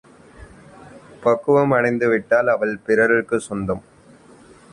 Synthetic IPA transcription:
pɐkːɯʋɐmɐɳɐɪnd̪ɯʋɪʈːaːlɐʋɐɭpɪɾɐɾɪrkːɯsɔnd̪ɐm

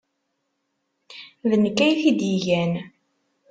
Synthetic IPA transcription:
ðənkːæjθid̪jiʝæn

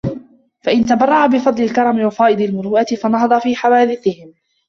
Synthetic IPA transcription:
faʔɪnt̪abɑrˤːɑʕabɪfɑd̪ˤlɪlkɑɾˤɑmɪwɑfɑːʔɨd̪ɪlmʊɾuːʔat̪ɪfɑnɑɦɑd̪ˤɑfiːħawaːd̪ɪθɪhɪm

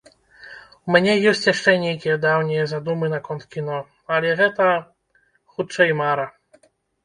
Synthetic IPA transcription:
umʲnʲɛjɛsʲt͡ɕʲjaʂt͡ʂɛnʲejkʲɛjɛd̪awnʲɛjɛzad̪umɨnakɔnt̪kʲinɔ | alʲɛɣɛt̪ɐ | xut͡ʂɐimaɾɐ

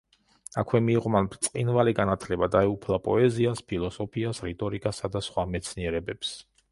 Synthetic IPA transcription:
akʰwɛmiːʁɔmanbɾt̪sʼqʼinvaliɡanat̪ʰlɛbad̪aɛupʰlˠapʼɔɛziaspʰilˠɔsɔpʰiasɾit̪ʼɔɾikʼasad̪asχwamɛt̪sʰniɛɾɛbɛps

